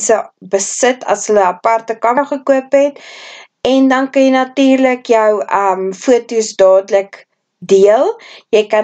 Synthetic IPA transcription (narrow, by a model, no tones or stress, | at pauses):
səbəsətʰɐ̰sɦələɐpɐrtəkɐmχəkuəpɦɛt | ɛndɐnkɐjɛjnɐtiːrləkjœwəmfuətusdɑːdələk | diəlˠjəjkɐ